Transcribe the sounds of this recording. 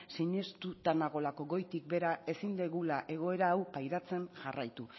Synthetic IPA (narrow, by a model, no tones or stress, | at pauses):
siɲe̞st̪ut̪anaɣ̞o̞lako̞ɣo̞jt̪ik̚be̞ɾae̞sind̪eɣulaʔe̞ɣ̞o̞e̞ɾaːwpajɾat͡se̞nʝarajt̪u